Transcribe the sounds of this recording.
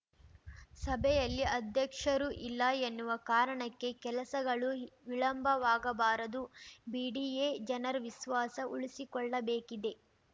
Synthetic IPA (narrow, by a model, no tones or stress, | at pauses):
sɐbʱɛjɐlːiɐd̪ʱjɐkʂɐɾuʔilːɐenːuʋɐkaːɾɐɳɐkːe̞kɛlɐsɐɡɐɭuʋiɭɐmbʱɐʋaːɡɐbaːɾɐd̪ubiːɖiːeːd͡ʒɐnɐɾʋisʋaːsɐʔuɭisikɔɭːɐbeːkid̪e̞